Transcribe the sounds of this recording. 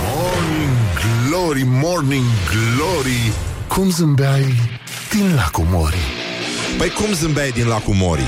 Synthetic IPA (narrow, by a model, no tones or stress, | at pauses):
mɔɾnĩŋɡloɾimɔɾniŋɡloɾi | kʰumzɨmbaj | d̪̥inlakumo̰ɾḭ | pəjkumzɨmbajd̪inlakumo̰ɾḭ